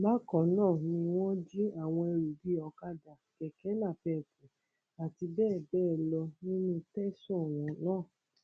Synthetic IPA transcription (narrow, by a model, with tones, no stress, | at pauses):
ba˦kɔ̃˨nãː˦˨nĩ˧w̃ɔ̃˦d͡ʒi˦a˦˨w̃ɔ̃˧e˧ɾu˨di˨˦ɔ˧ka˦da˨kɛ˨kɛ˨˦nã˦˨fɛ˦˨kũ˨˦ | a˨ti˧bɛː˦˨bɛː˦˨lɔ˧nĩ˦nũ˦tɛ˦sɔ̃˦˨w̃ɔ̃˨˦nãː˦˨